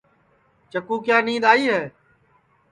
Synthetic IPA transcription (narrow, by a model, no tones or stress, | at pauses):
t͡ʃəkuːkjaːnĩːd̪aːiːɦɛː